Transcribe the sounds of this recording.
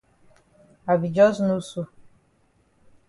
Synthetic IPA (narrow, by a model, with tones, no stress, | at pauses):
a˨bi˨d͡ʒɔ˦snu˦su˦